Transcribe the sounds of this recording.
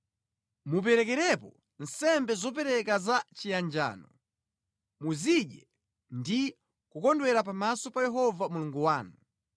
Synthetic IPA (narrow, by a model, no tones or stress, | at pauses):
mup̬ɛɾɛkɛɾɛpɔ | n̩sɛmbɛzɔp̬ɛɾɛkazat͡ʃijand͡ʒa̰ːnɔ | muziɗɛ | ndi | kukɔndwɛɾap̬amasɔpajɛɦɔvamuluŋɡuwaːnu